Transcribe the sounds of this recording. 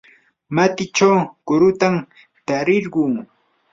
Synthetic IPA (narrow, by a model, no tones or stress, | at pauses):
mat̪ɪt͡ʃawkʊɾʊt̪am | t̪aɾɪɾɢʊŋ